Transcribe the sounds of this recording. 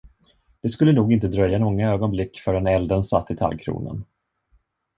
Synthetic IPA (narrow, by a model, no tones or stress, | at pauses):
d̪̥ɛskɵlːənuːɡɪnt̪əd̪ɾœjːanɔŋːaøːɡɔnblɪkːfœɖɛnɛld̪ənsat̪ːɪt̪ʰa̰lkʰɾṵːnə̰n